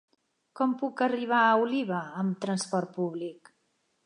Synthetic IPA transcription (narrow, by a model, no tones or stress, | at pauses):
kɔmpukəriβ̞aəuliβ̞əəmt̪ɾənspɔɾt̪̚puβlik